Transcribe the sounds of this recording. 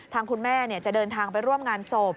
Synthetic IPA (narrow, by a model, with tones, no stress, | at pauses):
t̪ʰaː˧ŋkʰu˧nmɛː˥˩ni˥˩ɐt͡ɕa˨˩ʔdɤː˧nt̪ʰaː˧ŋpa˧jɾu˥˩əmŋaː˧nso˨˩p̚